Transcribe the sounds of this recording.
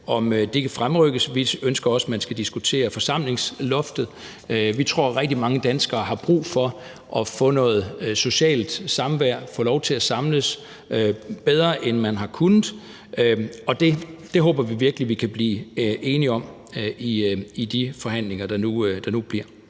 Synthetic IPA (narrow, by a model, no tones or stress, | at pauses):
ɒ̽md̥e̝kʰæfʁamʁœɡ̥əsʋiønsɡ̥ɐɒ̽səmænsɡ̥æd̥isɡ̥ut͡sʰe̝̰ːɐfɒ̽sɑ̈m̰le̝ŋslɔ̽fd̥ð̩ˠ | øʋit͡sʰʁo̝ɐ̰ʁɛɡ̥d̥imɑ̈ŋəd̥ænsɡ̥ɐːɦɑ̈b̥ʁṵːfɒ̽ | ʔɒ̽fɔ̰̽ːnɔ̽ːð̩ˠso̝ɕɛ̰ːld̥sɑ̈mʋæɐ̰fɔ̽ːlɒʊt͡sʰe̝læsɑ̈mləs | øb̥eð̞ˠɐːʔenmænɦɑ̈kʰunð̩ˠ | øɒ̽d̥e̝d̥e̝ɦɔ̽ːb̥ɐʋiʋiɐɡ̥əliʋikʰæb̥liːʔe̝ːniɒ̽m̰ | iid̥ifɒ̽ɦæn̰le̝ŋɐd̥ɑ̈nud̥ɑ̈nub̥liɐ̰